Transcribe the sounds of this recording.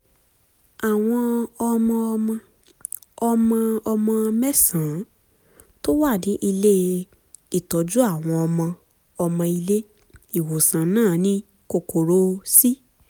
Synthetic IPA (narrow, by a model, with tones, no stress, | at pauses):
a˨w̃ɔ̃˧ɔ˧mɔ̃˧mɔ̃˧ | ɔ˧mɔ̃˧ɔ˧mɔ̃˧mɛ˦sã˨˦ | to˦wa˦˨dĩ˨˦ʔi˧le˦ | i˦˨tɔ˨˦d͡ʒu˦a˦˨w̃ɔ̃˧ɔ˧mɔ̃˧ | ɔ˧mɔ̃˧i˧le˦ | i˦˨wo˨sã˨˦nãː˦˨˦nĩ˦ | ko˧˨ko˨ɾo˧˦si˦